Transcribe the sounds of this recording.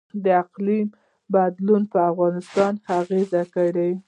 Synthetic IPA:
d̪əaqlim | bad̪lunpəafɣɑnɪst̪ɑnaɣezakəɽe

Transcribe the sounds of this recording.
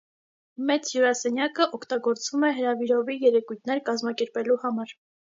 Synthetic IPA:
mɛt͡sjuɾɑsɛnjɑkəʔɔkʰt̪ɑɡɔɾt͡svumɛɦəɾɑviɾɔvijɛɾɛkujt̪ʰnɛɾkɑzmɑkɛɾpɛluhɑmɑɾ

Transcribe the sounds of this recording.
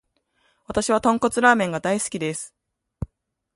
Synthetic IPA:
βat̪aɕiβ̞at̪õ̞ŋko̞t͡sɨɾaːmẽ̞ŋɡad̪aisɨ̥kʲid̪e̞sɨ̥

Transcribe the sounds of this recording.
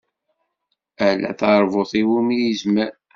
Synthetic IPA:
ælæ̰θɑɾˤvoθiwumjizmə

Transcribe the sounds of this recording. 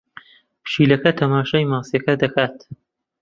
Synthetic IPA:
pʃiːlɐkɐt̪ʰɐmaːʃaːjmaːsjɐkɐd̪ɐkʰaːt̪

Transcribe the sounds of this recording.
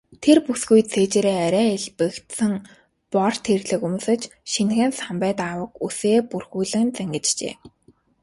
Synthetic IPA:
t̪ʰerpusɡujt͡sʰeːt͡ɕeːɾeːaɾʲæːeɮpɘ̆kt̪sɘ̆ŋ | pɔrt̪ʰerɣɮɘ̆kumuːsɘ̆t͡ɕʃinxɘ̆ːnsampæːt̪aːwə̆kuseːpurxuːɮɘ̆nt͡sæŋɡʲɘ̆t͡ɕt͡ɕḛː

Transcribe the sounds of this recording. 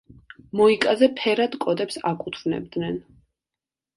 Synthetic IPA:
mɔikʼazɛpʰɛɾad̪kʼɔd̪ɛpsakʼut̪ʰvnɛ̰b̚d̪nɛn

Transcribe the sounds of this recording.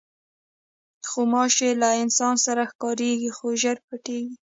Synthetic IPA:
xomɑʃelaɪnsɑnsaɾaxkɑɾeɡixoʒaɾpaʈeɡi

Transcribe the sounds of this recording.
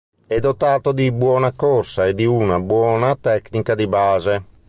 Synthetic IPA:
ɛd̪ot̪aːt̪od̪ibwɔːnakorsaed̪iunabwɔːnat̪ɛknikad̪ibaːze

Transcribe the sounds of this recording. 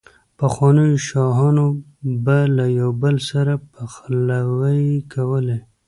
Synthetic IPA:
paxwɑnəjoʃɑɦɑno | balajawbəlsaɾapaxlawəjkawəle

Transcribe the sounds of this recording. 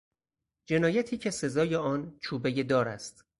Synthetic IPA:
d͡ʒe̞nɒːjæt̪ʰiːcʰe̞se̞zɒːjeɒːnt͡ʃʰuːbeje̞d̪ɒːɾæ̰st̪

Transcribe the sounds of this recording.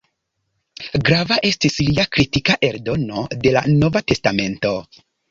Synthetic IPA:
ɡɾavaʔe̞stisliakɾitikaʔe̞ɾdo̞no̞de̞la̰no̞vate̞stame̞nto̞

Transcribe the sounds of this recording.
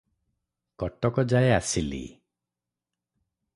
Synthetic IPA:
kɔʈɔkɔd͡ʒaeasilḭ

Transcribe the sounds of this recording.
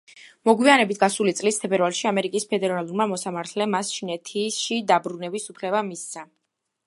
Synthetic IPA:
mɔɡwianɛbit̪ʰɡasulit̪sʼlist̪ʰɛbɛɾvalˠʃiamɛɾikʼispʰɛd̪ɛɾalˠuɾmamɔsamaɾt̪ʰlɛmast͡ʃʰinɛt̪ʰisʃid̪abɾunɛbisupʰlɛbamisa

